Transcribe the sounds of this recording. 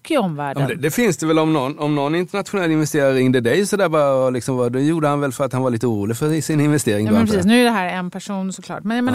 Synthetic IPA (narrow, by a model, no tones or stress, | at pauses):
kːɪɔmvæ̰ːɖəmd̪ɛfɪnsd̪ɛvɛlɔmnɔnɔmnɔnːɪnt̪əɳat̪ɧʊnɛlːɪnvɛst̪eːɾaɾɾɪŋd̪əd̪ɛjsɔd̪æːbɑːɾaɔlɪksɔmvad̪ɛjuːɖəhanvɛlfœɾat̪hanvaɾɭiːt̪əuːɾuːlɪɡfœɪsɪnɪnvɛst̪eːɾɪŋmɛnpɾsiːs̬nʉ̟ːæɖɛɦæːɾɛnpʰæʂuːnsɔkʰlɑ̰ːʈmɛnjameːn